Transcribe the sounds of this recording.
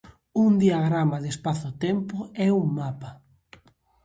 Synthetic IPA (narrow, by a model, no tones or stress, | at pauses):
uŋd̪iaɣɾamaðespaθʊt̪ɛmpʊɛuŋmapa